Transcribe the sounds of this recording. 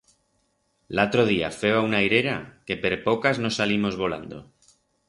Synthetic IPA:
lat̪ɾoð̞ia̰fe̞oaunajɾe̞ɾa̰ke̞peɾpo̞kazno̞salimo̞zβo̞la̰nd̪o̞̰

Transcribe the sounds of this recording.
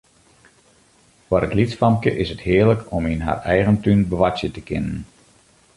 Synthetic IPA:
fwəɾətlitsfɑmkə̰ʔɪsəthɪːrləkʰɔminɦa̰ːrɛjɣəntynbəʋatsjətəkɪnən

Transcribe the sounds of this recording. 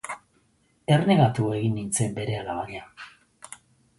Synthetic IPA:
e̞rne̞ɣat̪ueɣinːint͡se̞mbe̞ɾealaβaɲa

